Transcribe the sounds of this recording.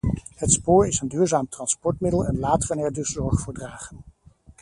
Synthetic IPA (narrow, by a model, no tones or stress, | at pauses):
hətspoːɹɪsəndyːɹzaːmtrɑnspɔɹtmɪdəlˠɛnlaːtərənɛɹdɵszɔɹχfʊːɹdraːχən